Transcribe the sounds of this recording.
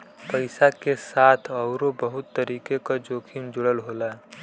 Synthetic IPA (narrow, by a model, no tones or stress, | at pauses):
pəɪsakesaːt̪ʰəʊɾobəɦʊt̪ːəɾiːkekad͡ʒoːkʰimd͡ʒʊɽəlɦoːlaɦɛ